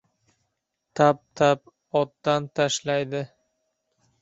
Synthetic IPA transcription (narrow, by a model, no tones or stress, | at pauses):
t̪ʰap̚t̪ʰap̚ | ɒt̪ːant̪ʰaʃlajd̪ɪ